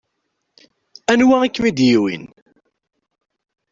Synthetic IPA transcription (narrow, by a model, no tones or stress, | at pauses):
ænwaʁikːmid̪jiwḭn